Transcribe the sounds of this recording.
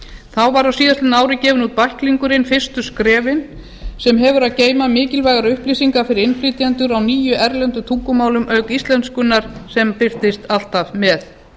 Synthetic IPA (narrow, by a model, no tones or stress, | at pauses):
θawvaɾawsiːðast̪ɪnaːwɾɪcɛːvʏnut̪̚pahkliŋkʏɾɪnfɪr̥st̪ʏskɾɛːvɪn | sɛmɦɛvʏɾaðceːjmamɪːcɪlvajɣaɾʏhpliːsiŋkafɪɾɪɾɪnflit̪jant̪ʏɾawniːjʏʔɛɾlɛnt̪ʏt̪ʰukːʏmaːwlʏmʔœɥkist̪lɛnt̪skʏnːaɾ̥sɛmpɪr̥t̪ɪst̪al̥t̪avmɛθ